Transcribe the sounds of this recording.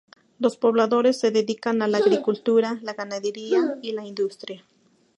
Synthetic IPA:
lospoβlaðoɾesːeðeðikanalaːɣɾikult̪uɾalaɣanaðeɾiailaind̪ust̪ɾja

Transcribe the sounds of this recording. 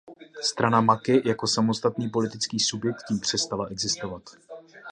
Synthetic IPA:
st̪ɾanamakɪjako̞samo̞st̪at̪niːpo̞lɪt̪ɪt͡skiːsubjɛk̚t̪ciːmpr̝̥ɛst̪alaʔɛɡzɪst̪o̞vat̪

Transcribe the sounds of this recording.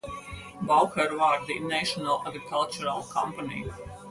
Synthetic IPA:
bawxɛɾʋaːɾd̪inɛʃɔnalˠaɡɾikʰalˠt͡ʃuɾalˠkʰɔ̰̃mpanʲḭ

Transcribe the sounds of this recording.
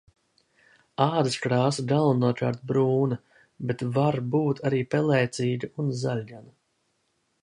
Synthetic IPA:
aːd̪iskɾaːsɡalˠunuɔka̰ːɾt̪̚bɾuːnɐ | bet̪vaɾbuːt̪ʰaɾiːpɛlɛjt̪siːɡaunzalʲɟana

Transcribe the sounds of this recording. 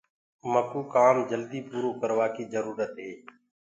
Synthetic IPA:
məkuːkaːmd͡ʒəld̪iːpuːɾoːkəɾʋaːkiːzəɾuːɾət̪ɦeː

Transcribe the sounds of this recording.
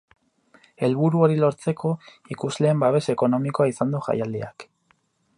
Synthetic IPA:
e̞lβuɾuo̞ɾilo̞ɾt͡se̞kʰo̞ | ikuzle̞ːmbaβe̞se̞ko̞no̞miko̞aisand̪uʝa̰jald̪ḭak

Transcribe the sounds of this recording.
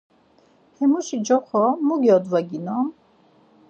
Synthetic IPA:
hɛmuʃid͡ʒɔχʰɔmuɡiɔd̪vaɡinɔm

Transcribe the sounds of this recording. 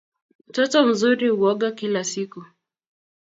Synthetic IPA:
m̩tɔtɔm̩zuɾiuɔɠakilasiku

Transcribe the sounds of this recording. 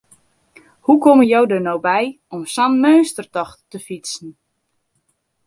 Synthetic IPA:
hukɔməjowdənowbɛj | ɔmsanmøːstərtɔχ | əfitsn̩

